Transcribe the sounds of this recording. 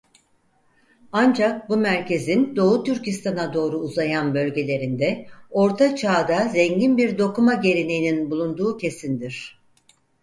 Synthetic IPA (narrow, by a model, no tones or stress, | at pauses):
and͡ʒak̚bumæɾce̞zind̪o̞ːut̪yɾcist̪ʰanad̪o̞ːɾuːzajanbø̞lʲɟe̞lʲe̞ɾind̪ɛo̞ɾt̪ʰat͡ʃʰaːd̪azɛɲɟinbiɾd̪o̞kumaɟe̞ɾine̞jininbulˠund̪uːcʰe̞sind̪iɾ̝̥